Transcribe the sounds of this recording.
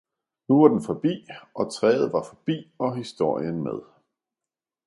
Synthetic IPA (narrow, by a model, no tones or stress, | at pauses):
nuʋɑ̈d̥enfɒ̽b̥ḭːʔɒ̽t͡sʰʁɛ̰ːð̞̩ˠʋɑ̈fɒ̽b̥ḭːɒ̽ɦisd̥o̝ɐ̰jənmeð̞ˠ